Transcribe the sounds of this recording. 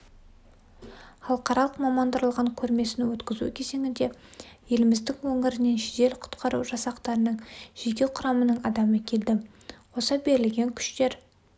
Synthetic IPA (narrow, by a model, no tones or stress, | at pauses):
χɑlˠqɑɾɑlˠəqmɑmɑnd̪əɾlˠʁɑɴkʲʰɵɾme̞sɪnɪwɵt̪kʲɪzṵkʲʰe̞ze̞ŋɪnd̪e̞je̞lɪmɪzd̪ɪŋwɵŋɪɾɪne̞nʃeʒe̞lqʰʊ̥t̪qʰɑɾṵwʒɑsɑqt̪ɑɾənəɴʒ̥ekʲe̞qʰʊɾɑmənəɴɑd̪ɑməkʲʰe̞ld̪ɪ | wo̞səbe̞ɾɪlɡʲe̞ŋkʲʰʏ̥ʃt̪e̞ɾ